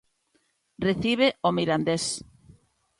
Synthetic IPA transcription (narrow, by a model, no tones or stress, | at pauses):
reθiβ̞eʔomiɾand̪es